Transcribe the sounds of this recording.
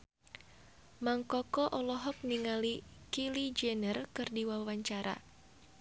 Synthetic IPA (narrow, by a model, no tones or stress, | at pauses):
maŋkɔkɔʔɔlɔɦɔk̚niŋalikilid͡ʒɛnərkɨrdiwawaɲt͡ʃaɾa̰